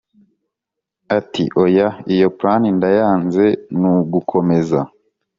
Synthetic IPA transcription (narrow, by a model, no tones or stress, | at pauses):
atḭʔojaijo̞pɾanindajaːnze̞nuɡukʰo̞me̞za